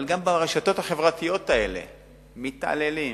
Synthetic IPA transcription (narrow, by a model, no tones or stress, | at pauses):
lɡambaʁeʃato̞t̪haχevʁat̪ijo̞t̪ae̞le̞̰ | mita̰leli